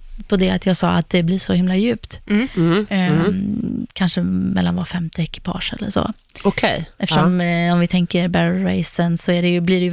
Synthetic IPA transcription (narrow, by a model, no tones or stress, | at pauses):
pʰɔd̪ɛat̪ʰjɑːɡsɑːat̪̚d̪ɛblɪʂɔhɪmlajʉ̟ːpt̪ | kʰanʂəmɛ̰lːanvɑɾfɛmt̪ɪɛkɪ̥pʰɑ̰ːʂɛ̰lːə̰ʂɔ̰ | ɔkʰɛjɛfəʂɔmɔmvɪt̪ʰɛŋkəɾbæɾɾeɪsənsɔæɖɛjɵblɪɖɛj